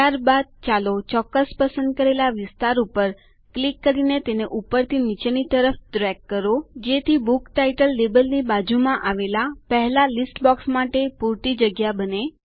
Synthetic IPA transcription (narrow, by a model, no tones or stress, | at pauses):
t̪jaɾbad̪̚t͡ʃalot͡ʃɔkːəspəsə̃nd̪̚kəɾelaʋɪst̪aɾupəɾ | klikːəɾinet̪eneʔupəɾt̪ʰinit͡ʃñit̪əɾəfʈɾɛkːəɾod͡ʒet̪ʰibukʈaiʈəlːebəlnibad͡ʒumãʔaʋelapəɦɛlalisʈbɔksmaʈepuɾt̪id͡ʒəɡjabəne